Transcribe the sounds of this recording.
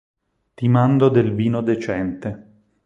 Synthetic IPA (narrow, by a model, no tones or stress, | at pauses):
t̪imand̪od̪elviːnod̪et͡ʃɛnt̪e